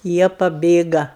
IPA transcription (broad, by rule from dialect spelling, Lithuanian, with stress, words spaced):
ˈjiɛ pɐˈbʲeːɡɐ